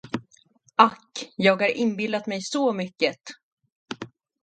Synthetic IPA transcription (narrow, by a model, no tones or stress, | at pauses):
akːjɑːɡhaɾʔɪnbɪlat̪mɛjsɔmʏkːət̪